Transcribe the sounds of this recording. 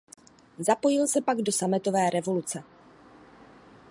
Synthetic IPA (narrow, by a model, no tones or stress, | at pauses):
zapo̞jɪlsɛpaɡdo̞samɪt̪o̞vɛːɾɛvo̞lut͡sɛ